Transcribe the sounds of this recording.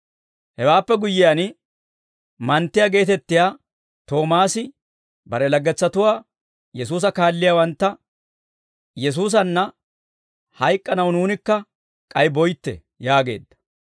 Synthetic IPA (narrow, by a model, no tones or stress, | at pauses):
hɛwaːpːɛɡʊjːɪjanɪ | mɐnt̪ːɪjaːɡe̞ːt̪ɛt̪ːɪjaː | t̪o̞ːmaːsɪ | bɐɾɛlɐɡːɛt͡sːɐt̪ʊwaː | jɛs̬uːs̬ɐkaːlːɪjaːwɐnt̪ːɐ | jɛs̬uːs̬ɐnːɐ | hɐjkʼːɐnɐwnuːnɪkːɐ | kʼɐjbɔjt̪ːɛ̰ | jaːɡe̞̰ːd̪ːɐ̥